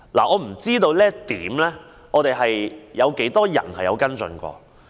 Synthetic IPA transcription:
laː˨˩ʔɔː˨˧m̩˨˩t͡siː˥t̪o˧wlɛː˥t̪iː˨˥mlɛː˥ | ʔɔː˨˧t̪e˨jɐ˨jjɐ˨˧wke˨˥jt̪ɔː˥jɐ̰˨˩nhɐ˨jɐ̰˨˧wkɐ˥nt͡sɵ̰˧nkʷɔ̰ː˧

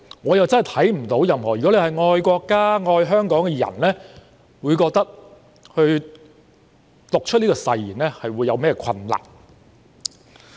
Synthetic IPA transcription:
ŋɔː˨˧jɐ˨wt͡sɐ˥nhɐ˨jt̪ʰɐ˨˥jm̩˨˩t̪o˨˥wjɐ˨mhɔː˨˩jy˨˩kɔ˨˥le˨˧hɐ˨˩jŋɔː˧jkʷɔː˧kːaː˥ŋɔː˧jɦœː˥ŋkɔː˨˥ŋkɛ˧jɐ̰˨˩nlɛː˥ | wuː˨˧jkɔː˧k̚t̪ɐ˥k̚ | hɵ˧ɥ | t̪ʊ˨k̚t͡ʃʰɵ˥t̚niː˥kɔ˧sɐ˨˧jːiː˨˩nlɛː˥hɐ˨jwuː˨˧jːɐ˨˧wmɛː˥kːkʰɐ˧nla̰ː˨˩p̚

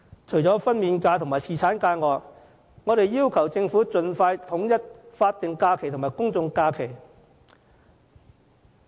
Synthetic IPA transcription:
t͡ʃʰɵ˨˩ɥt͡sɔː˨˥fɐ˥nmiː˨˧nkaː˧t̪ʰʊ˨˩ŋmaː˨˩jsʰiː˨˩t͡sʰaː˨˥nkaː˧jŋɔː˨˧k | ŋɔː˨˧ɾe˨jːiː˥wkʰɐ˨˩wt͡sɪ˧ŋfuː˨˥t͡sɵ˧nfaː˧jt̪ʰʊ˨˥ŋjɐ˥t̚faː˧t̚t̪ːɪ˨ŋkaː˧kʰe˨˩t̪ʰʊ˨˩maː˨˩jkʊ˥ŋt͡sʊ˧ŋkaː˧kʰe˨˩j

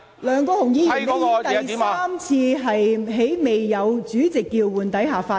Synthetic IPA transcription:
lœː˨˧ŋkɔː˧hʊ˨˩ŋjiː˧jyː˨˩ne˧˥jɪ˥t̪ɐ˨jsaː˥mt͡sʰiː˧ɦɐ˨jɦe˨˥jme˨jːɐ˨˧wt͡syː˨˥t͡sɪ˨kːiː˧wwuː˨nt̪ɐ˨˥jɦaː˨˩faː˧

